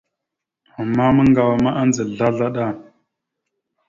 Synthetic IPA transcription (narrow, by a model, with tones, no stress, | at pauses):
a˨mːa˦mə˦ŋɡa˨wa˨ma˦ʔa˦nd͡zə˨ɮa˦ɮa˦ɗa˦˨